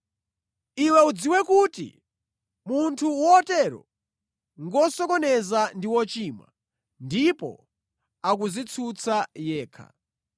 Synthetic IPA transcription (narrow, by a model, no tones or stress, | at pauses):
iwɛud͡ziwɛkutḭ | muntʰuwɔːtɛɾɔ̰ | ŋɡɔsɔkɔnɛzandiwɔt͡ʃiːmwa̰ | ndipɔ̰ | ak̬uzit͡sʰut͡sʰajɛːkʰa̰